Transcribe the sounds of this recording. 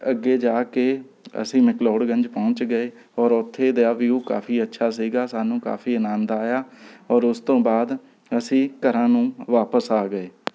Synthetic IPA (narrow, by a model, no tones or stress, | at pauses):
əɡːeːd͡ʒaːkeː | ə̰sĩːmɪkloːɽɡə̃ɲd͡ʒpɔ̃ːɲt͡ʃɡəeː | ɔːɾʊt̪ʰːeːd̪eaːʋiːuːka̰ːfiːətːʃʰaːs̬iːɡaːsaːnũːka̰ːfʰiːənãːnd̪aːjaːɔːɾʊst̪õːbaːd̪ | əsĩːkəɾãːnũːʋaːpəsaːɡəeː